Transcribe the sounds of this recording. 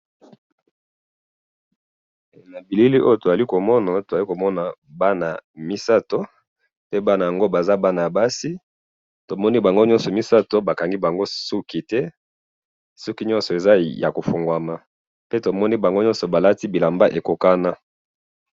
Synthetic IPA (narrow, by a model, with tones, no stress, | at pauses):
na˨bi˨li˦li˦ʔo˦jo˨to˨za˨li˦ko˨mɔ˦na˨to˨za˨li˦ko˨mɔ˦na˨ba˦na˨mi˦sa˦to˦ | pe˦ba˦na˨ja˨ŋɡo˦ba˨za˦ba˦na˨ja˨ba˦si˦ | to˨mɔ˦ni˦ba˨ŋɡo˦ɲɔ̃˦nsɔ˨mi˦sa˦to˦ba˨ka˨ŋɡi˦ba˨ŋɡo˦su˦ki˦tɛ˦ | sɔ˦ki˦ɲɔ̃˦nsɔ˨e˨za˦ja̰˨ko˨fo˨ŋɡwa˨ma˨ | pe˦to˨mɔ˦ni˦ba˨ŋɡo˦ɲɔ̃˦nsɔ˨ba˨la˦ti˦bi˨la˨mba˦ʔe˨ko˨ka˦na˦